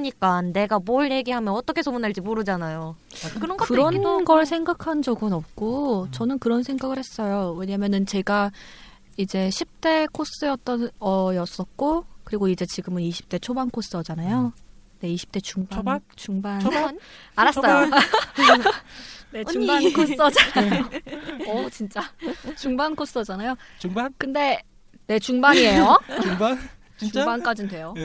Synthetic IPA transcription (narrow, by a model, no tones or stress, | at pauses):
ɲik͈anːe̞ɡamoɭje̞ɡiɦamjʌnʌt͈ʌkʰe̞sʰomunːaɭd͡ʑimoɾɯd͡ʑanajo | kɯɾʌnɡʌkɯɾʌnnɡʌɭsʰe̞ŋɡakʰand͡ʑʌɡɯnʌp̚k͈ot͡ɕʌnɯnkɯɾʌnsʰeŋɡaɡɯɭhe̞s͈ʌjowe̞ɲamjʌnɯnt͡ɕe̞ɡa | id͡ʑe̞ɕʰip̚t͈e̞kʰos͈ɯjʌt̚t͈ʌnʌjʌs͈ʌt̚k͈okɯɾiɡoid͡ʑe̞t͡ɕiɡɯmɯniɕʰi̥p̚t͈e̞t͡ɕʰobankʰos͈ɯʌd͡ʑanajo | ne̞iɕʰi̥p̚t͈e̞t͡ɕuŋt͡ɕuŋbanaɾas͈ʌjo | neuŋkʰos͈ʌd͡ʑanajoʌt͡ɕint͡ɕ͈at͡ɕuŋbankʰos͈ʰɯʌd͡ʑanajokɯnde̞ | ne̞t͡ɕuŋbaɲiejo | t͡ɕuŋbank͈ad͡ʑindwe̞jo